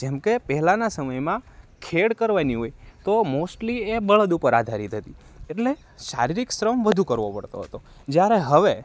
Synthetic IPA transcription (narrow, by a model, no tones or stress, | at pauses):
d͡ʒemkepəɦɛlanasəməjmãkʰeɽkəɾʋaniɦojt̪omosʈliebəɭəd̪upəɾad̪ʱaɾit̪ɦət̪ieʈle | ʃa̰ɾiɾiksɾəmʋəd̪ʱukəɾʋopəɽt̪o̰ɦət̪o | d͡ʒjaɾeɦəʋe